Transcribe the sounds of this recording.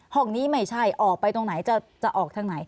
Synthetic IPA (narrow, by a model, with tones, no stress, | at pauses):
hɔ˥˩ŋniː˦˥ma˥˩jt͡ɕʰa˥˩jʔɔː˨˩k̚pa˧jt̪o˧ŋna˩˦jt͡ɕa˨˩ | t͡ɕa˨˩ʔɔː˨˩k̚t̪ʰa˧ŋna˩˦j